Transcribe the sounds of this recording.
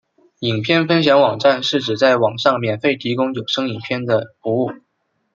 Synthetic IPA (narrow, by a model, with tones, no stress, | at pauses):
i˨˩ŋpʰjɛ˥˧nfə˥nɕ̬jɑ˧˥ŋwɑ˨˩ŋʈ͡ʂa˥˧nʂɻ̩˥˩ʈ͡ʂɻ̩˨˩t͡sa˥˩ɪwɑ˨˩ŋʂɑ˥˧ŋmjɛ˨˩nfe˥˩ɪt̪ʰi˧˥kʊ˥ŋjo˨˩ʊʂɤ˥ŋi˨˩ŋpʰjɛ˥˩nd̪ə˨fu˧˥u˥˩